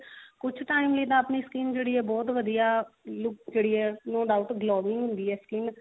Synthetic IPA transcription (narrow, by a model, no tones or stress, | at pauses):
kʊt͡ʃʰʈaːɪmliːt̪ãːəpniːskiːnd͡ʒeːɽiːɛːbɔːt̪ʋəd̪ijaːlʊk̚d͡ʒeːɽiːɛːnoːɖaːʊʈɡloːʋɪ̃ŋɦʊ̃nd̪iːɛːskiːn